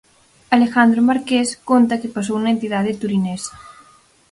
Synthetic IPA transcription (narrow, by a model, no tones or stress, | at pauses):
alexand̪ɾomaɾkeskont̪ɐkepas̬owunɐẽnt̪iðað̞et̪uɾinɛsɐ̥